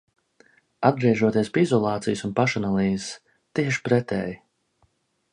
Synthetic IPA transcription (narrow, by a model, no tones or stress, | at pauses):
ad̪̚ɡɾiɛʒuɔt̪iɛspʲeizɔlˠɑːt̪sijusunpaʃanalˠiːzs | t̪iɛʃpɾɛt̪ɛ̰ːj